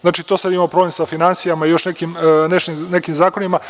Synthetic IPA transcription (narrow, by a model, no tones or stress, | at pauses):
znaːt͡ʃit̪o̞sad̪imaopɾo̞blemsafinansijamaijo̞ʃnekimneʃninekimzaːkonima